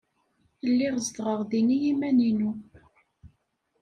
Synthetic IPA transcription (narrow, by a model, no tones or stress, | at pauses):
lːiʁəzd̪ʁəʁðinijimæninu